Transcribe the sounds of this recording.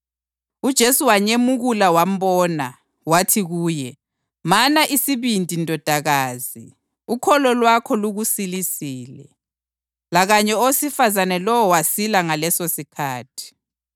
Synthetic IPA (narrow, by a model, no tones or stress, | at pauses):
ud̥ʒ̥ʱesuwaɲemuɣulawam̩bɔːna | watʰiɣuːjɛ | manaʔisiβintʼindʱɔd̥ʱaɣaːzi | ukʰɔlɔlwakʰɔluɣusilisiːlɛ̰ | laɣaɲɛowsifazanɛlɔwɔwasilaŋalɛsosikʰaːtʰi̥